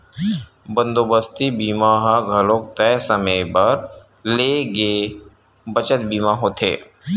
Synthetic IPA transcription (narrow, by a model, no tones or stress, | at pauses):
bə̃nd̪oːbəst̪ibiːmaːɦaɡʱɐloːk̚t̪ɛːsəməbɐɾ | leːɡe | bət͡ʃət̪biːmaɦoːt̪ʰḛː